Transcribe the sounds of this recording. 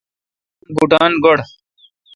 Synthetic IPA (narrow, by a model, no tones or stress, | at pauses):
ɡuʈaːnɡoɽ